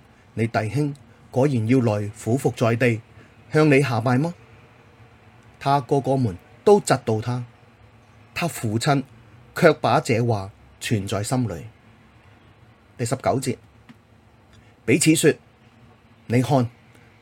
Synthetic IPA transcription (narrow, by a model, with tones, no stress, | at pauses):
ne˨˧jt̪ɐ˨jɦɪ˥ŋ | kɔː˨˧jiː˨˩njiː˧wlɔː˨˩jfuː˨˥fʊ˨k̚t͡sɔː˨jt̪e˨j | hœː˧ŋne˨˧jɦaː˨paː˨˧jmaː˥ | t̪ʰaː˥kɔː˧kɔː˧muː˨˩n | t̪o˥wt͡sɐ˧t̚t̪o˨˧wt̪ʰaː˥ | t̪ʰaː˥fuː˨˩t͡sʰɐ˧nkʰœː˧k̚paː˨˥t͡sɛː˨˧waː˨˩ | t͡ʃʰyː˨˩nt͡sɔː˨jsɐ˥mlɵ̰˨˥ɥ | t̪ɐ˨jsɐ˨p̚kɐ˨˥wt͡siː˧t̚ | pe˨˥jt͡sʰiː˨˥syː˧t̚ | ne˨˧jhɔː˧n